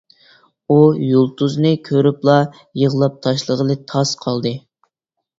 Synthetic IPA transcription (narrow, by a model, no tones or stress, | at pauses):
ujulˠt̪ʰuznɨkʲʰøɾyplˠɑ | jəʁlˠɑp̚t̪ʰɑʃlˠəʁəlˠɨt̪ʰɑsqʰɑlˠd̪ɨ